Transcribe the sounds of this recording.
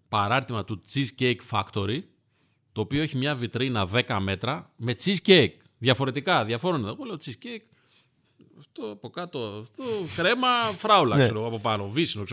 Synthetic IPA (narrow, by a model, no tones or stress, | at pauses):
pɐɾɐɾt̪imɐt̪ut͡sizcejkfɐkt̪o̞ɾi | t̪o̞ːpio̞eçimɲɐvit̪ɾinɐðe̞kɐme̞t̪ɾɐme̞t͡siscejk̚ | ðʝɐfo̞ɾe̞t̪ikɐðʝɐfo̞ɾoniðɣoleot͡siscejk | ɐft̪oɐpo̞kɐt̪o̞ft̪okɾe̞mɐfɾɐulɐkse̞ɾoɣoɐpo̞pɐno̞visinokse